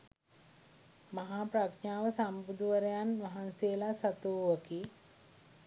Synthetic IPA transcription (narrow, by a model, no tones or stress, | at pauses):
maɦaːpɾakɲaːʋəsambud̪uʋəɾejanʋaɦansejəlasat̪uʋəki